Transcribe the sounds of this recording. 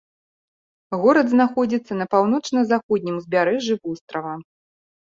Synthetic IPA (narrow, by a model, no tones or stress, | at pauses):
ɣɔɾɐd̪znaxɔd͡zʲit̪sːɐnɐpawnɔt͡ʂnɐzaxɔd̪ʲnʲimzʲbʲaɾɛʐibust̪ɾɐvɐ